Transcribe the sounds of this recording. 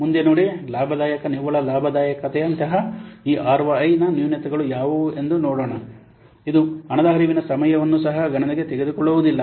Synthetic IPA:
mund̪enoːɽilaːbʱɐd̪aːjɐkɐniʋɐɭɐlaːbʱɐd̪aːjɐkɐt̪ɛɐnt̪ɐɦɐiːʔaːɾʋɐːjnɐnjunet̪ɐɡɐɭujaːʋue̞nd̪unɔːɽoːɳɐ | id̪uɐɳɐd̪aːɦɐɾiːʋinɐsɐmɐjɐʋɐnːusɐɦɐɡɐɳɐniɡe̞t̪eɡe̞d̪ukɔɭːuʋud̪ilːɐ

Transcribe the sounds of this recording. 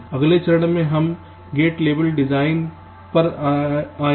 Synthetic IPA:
ɐɡlet͡ʃɐɾɽmẽɦɐm | ɡeːʈleːbəlɖɪd͡ʒaːɪn | pɐɾ | aː

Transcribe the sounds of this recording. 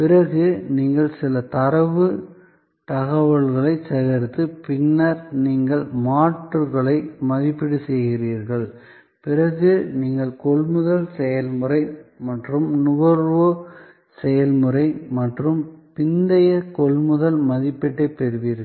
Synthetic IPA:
pɪɾɐɣɯniːŋɡɐɭsɪlɐt̪ɐɾɐʋɯ | t̪ɐɣɐʋɐɭɣɐɭɐɪsɐɣɐɾt̪ːɯpɪnːɐɾniːŋɡɐɭmaːʈːɯɾɣɐɭɐɪmɐðɪpːɪɽɯsɛjɣɪriːɾɣɐɭ | pɪrɐɣɯniːŋɡɐɭkɔɭmɯðɐlsɛjɐlmɯɾɐɪmɐʈrɯmnʊʋɐɾʋo | sɛjɐlmɯɾɐɪmɐʈrɯmpɪnd̪ɐjɐkɔɭmɯðɐlmɐðɪpːɪʈːɐɪpɛɾɯʋiːɾɣɐ

